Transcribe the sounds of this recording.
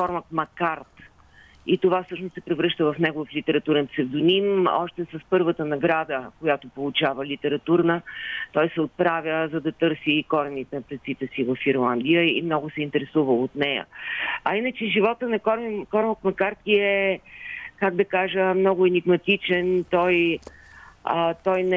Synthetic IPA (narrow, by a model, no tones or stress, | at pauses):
kɔɾmɐk̪mɐkaɾt̪ | it̪ovafsɤʃnʊst̪sɛpɾɛvɾɤʃt̪əvɐfnɛɡʊvəflit̪ɛɾɐt̪uɾɛnp̪t̪sɛvd̪ʊnimɔ̰ʃt̪ɛsɐspɤɾvət̪ənɐɡɾad̪əkojat̪opolˠʊt͡ʃavəlit̪ɛɾɐt̪uɾnət̪ɔjsɛot̪̚pɾavʲəzɐd̪ɐt̪ɤɾsikɔɾɛnit̪ɛnɐpɾɛt̪sit̪ɛsivɐfiɾlˠand̪ijəḭmnɔɡʊsɛint̪ɛɾɛsuvəot̪nɛjə̰ɐinət͡ʃɛʒivɔt̪ənɐkɔɾkɔɾmək̪mɐkaɾt̪iɛ | kaɡd̪ɐkaʒəmnɔɡʊɛniɡmɐt̪it͡ʃɛnt̪ɔj | t̪ɔjnɛ